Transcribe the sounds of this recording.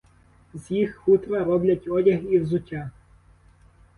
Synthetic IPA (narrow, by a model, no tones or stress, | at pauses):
zjixxut̪ɾɐɾɔblʲɐtʲɔdʲɐxiwzʊtʲːa